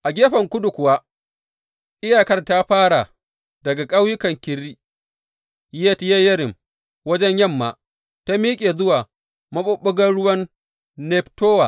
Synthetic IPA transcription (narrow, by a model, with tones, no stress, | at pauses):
ʔa˨ɡʲeː˦ɸɐ˨ŋkʷʊ˦dʊ˨kʷʊ˨waː˦ | ʔɪ˦jaː˨kɐ˦rta˦ɸaː˦ɽa˨ | dɐ˨ɡa˨kʼa˦wjʊ˦kɐ˨ŋkʲɪ˨ɾːiː˦ | jɛ˦tjɛ˦jɐ˦ɾɪ˨m | wɐ˦d͡ʒɛ˦ɲjɐ˦˨mːa̰ː˨ | ta˦miː˦kʲʼeː˨zʊ˦waː˨ | mɐ˦ɓʊ˦ɓʊ˦ɡɐ˦nɽʊ˦wɐ˦nː | ɛ˦ptoː˦wa̰˨